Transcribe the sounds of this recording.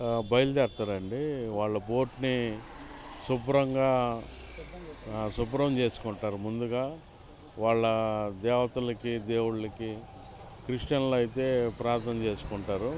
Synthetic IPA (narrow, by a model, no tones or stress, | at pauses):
bɐjɐld͡ʒ̪ɛːɾt̪aːɾɐɳɖiʋaːɭːɐbo̞ːʈni | subɾɐŋɡaː | subɾɐmt͡ʃe̞ːsu̥kuɳʈaːɾumund̪uɡaː | ʋaːɭːɐd̪ɛːʋɐt̪ɐlɐkid̪e̞ːwuɽlɐki | kɾiʂʈɐnloːɐjit̪̬e̞ːpɾaːɾt̪nɐnɐt͡ʃe̞ːsu̥kuɳʈaːɾu